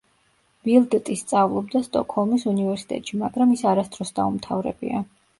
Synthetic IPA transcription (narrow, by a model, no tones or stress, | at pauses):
bilˠd̪t̪ʼist̪sʼavlˠɔb̚d̪ast̪ʼɔkʰhɔlˠmisunivɛɾsi̥t̪ʼɛ̰t̪ʼʃimaɡɾamisaɾast̪ʼɾɔsd̪aumt̪ʰavɾɛ̰bḭa̰